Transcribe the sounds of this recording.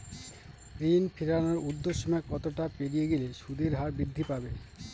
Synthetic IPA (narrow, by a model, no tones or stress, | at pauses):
ɾinpʰiɾanoɾud̪ːoʃːomɔekːɔt̪oʈapeɾijeɡileʃud̪eɾɦaɾbɾid̪ʱːipabe